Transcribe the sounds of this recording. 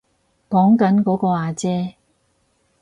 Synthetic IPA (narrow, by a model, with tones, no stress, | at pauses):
kɔː˨˥ŋkɐ˨˥nkɔː˨˥kɔː˧aː˨˧t͡sɛː˥